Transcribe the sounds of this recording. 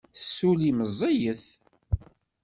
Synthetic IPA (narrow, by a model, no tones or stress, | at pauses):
θəsːuliməzˤejəθ